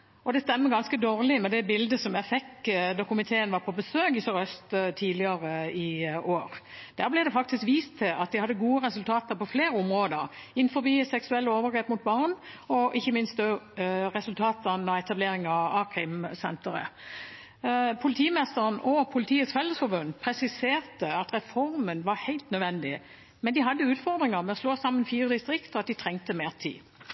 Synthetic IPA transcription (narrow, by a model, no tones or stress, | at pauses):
ɔd̪ɛst̪ɛmːəɡɑnskəd̪oːʁlɪmɛd̪ɛbɪld̪əsɔmjæɪfɛkd̪ɔkʊmɪt̪ʰeːənʋɑʁpʰɔbəsøːkɪsɔɾœst̪ət̪ʰiːd̪ɪɑʁəɪoːɾd̪̥æːʁblɛd̪ɛfɑk̚t̪ɪskʋiːst̪ʰːɪlʔɑt̪̚d̪ɪhɑd̪ːəɡuːəʁɛsʉlt̪ʰɑːt̪əɾpʰɔfleːɾəʊmʁoːd̪əɾɪnːfɔɾbiːsɛksʉɛlːəoːʋəɾɡʁeːpmʊt̪̚bɑʁn | ɔʔɪçːəmɪnst̪̚d̪øʁɛsʉlt̪ʰɑːt̪ənɔɛt̪ɑbleːɾɪŋɑɑkʰɾɪmsɛnt̪əɾə̰ | pʰʊlɪt̪ʰiːmɛst̪əʁənɔpʰʊlɪt̪ʰiːət̪sfɛlːəsfɔbʉnːpʰɾɛsɪseːʁt̪əɑt̪ʁɛfɔɾmənʋɑɾhæɪlt̪nœd̪ʋɛnd̪ɪ | mɛnd̪ɪɦɑd̪ːəʉːt̪fɔʁd̪ʁɪŋəɾmɛɔsloːsɑmːənfiːʁəd̪ɪst̪ʁɪkt̪ɔɑt̪̚d̪ɪt̪ʰʁɛŋt̪əmeːʁt̪ʰḭː